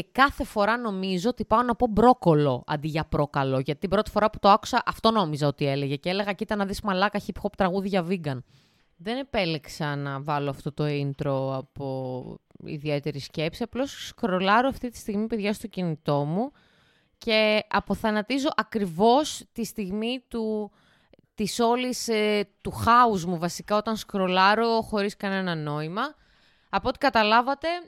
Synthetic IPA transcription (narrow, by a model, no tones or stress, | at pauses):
ekɐθe̞fo̞ɾɐno̞mizo̞ot̪ipɐonɐpo̞bɾo̞ko̞lo̞ɐ̰nd̪iʝɐpɾo̞kɐlo̞ʝɐt̪it̪ibɾo̞t̪i̥fo̞ɾɐpu̥t̪o̞ɐku̥sɐʔɐft̪o̞no̞mizɐo̞t̪ie̞leʝecele̞ɣɐcit̪ɐnːɐðismɐlɐkɐçipçopt̪ɾɐɣuðiʝɐviɡɐn | ðe̞ne̞pe̞liksɐnɐvɐloɐft̪o̞t̪o̞int̪ɾo̞ɐpo̞ | ḭðie̞t̪e̞ɾisce̞psiɐplo̞sskɾo̞lɐɾoɐft̪it̪i̥st̪iɣmipe̞ðʝɐst̪o̞cinit̪o̞mu | ce̞ɐpo̞θɐnɐt̪izo̞ʔɐkɾivo̞st̪ist̪iɣmit̪u | t̪iso̞list̪uxɐuzmuvɐsikɐo̞t̪ɐnskɾo̞lɐɾo̞xo̞ɾiskɐne̞nɐno̞imɐː | po̞t̪ikɐt̪ɐlɐvɐt̪e̞